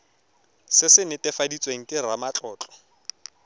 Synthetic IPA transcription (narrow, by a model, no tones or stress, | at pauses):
sɪsɪnɪtʼɛfadit͡sʼweŋ̩kʼɪramat͡ɬʼɔːt͡ɬʼɔ̥